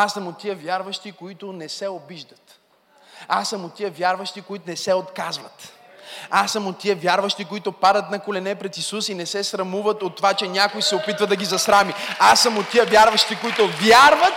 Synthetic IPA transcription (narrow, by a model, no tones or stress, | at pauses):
asːɐmot̪ːiəvʲjaɾvɐʃt̪ikoit̪ʊnɛsɛobiʒd̪ət̪ | asːɐmot̪ːiəvʲjaɾvɐʃt̪ikoit̪ʊnɛsɛot̪kazvət̪ | asːəmot̪ːiəvʲjaɾvɐʃt̪ikoit̪ʊpad̪ət̪nɐkolɛnɛpɾɛt̪isusinɛsɛsɾɐmuvət̪ot̪ːovat͡ʃɛnʲakojsɛopit̪vɐd̪ɐɡizɐsɾamiasːɐmot̪ːijəvʲjaɾvɐʃt̪ikoit̪ʊvʲjaɾvət̪